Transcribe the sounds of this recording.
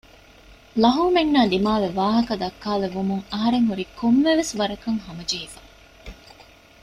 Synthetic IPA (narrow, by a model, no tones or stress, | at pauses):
lɐɦuːmenːaːd̪imaːʋeʋaːɦɐkɐd̪ɐkːaːleʋumuŋɐɦɐɾeŋɦuɾiːkʰomːeʋesʋɐɾɐkɐŋɦɐmɐd͡ʒeɦifɐ